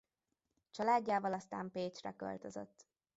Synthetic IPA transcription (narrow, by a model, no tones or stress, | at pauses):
t͡ʃɒlaːɟːaːvɒlɒst̪a̰ːmpeːt͡ʃrɛ̰kø̰lt̪øzø̰t̪ː